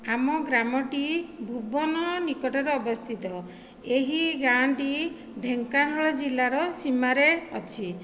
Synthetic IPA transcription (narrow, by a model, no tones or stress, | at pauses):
amɔɡɾamɔʈibʱubɔnɔnikɔʈɔɾeɔbɔst̪ʰit̪ɔ | eɦiɡaɳɖi | ɖʱeŋkanɔɭɔd͡ʒilaɾɔsimaɾeɔt͡ʃʰi